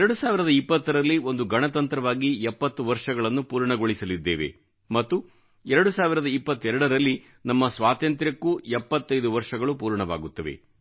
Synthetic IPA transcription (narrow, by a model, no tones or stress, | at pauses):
ɛɾɐɽusaːʋiɾɐd̪ɐipːɐt̪ːɐɾɐlːio̞nd̪uɡɐɳɐt̪ɐnt̪ɾɐʋaːɡiɛpːɐt̪ːuʋɐɾʂɐɡɐɭɐnːupuːɾɳɐɡoɭisɐlid̪ːeːʋe̞̰ | mɐt̪ːu | ɛɾɐɽusaːʋiɾɐd̪ɐipːɐt̪ːɛɾɐɽɐɾɐlːi | nɐmːɐsʋaːt̪ɐnt̪ɾjɐkːuɛpːɐt̪ːɐjd̪uʋɐɾʂɐɡɐɭupuːɾɳɐʋa̰ːɡut̪ːɐʋe̞̰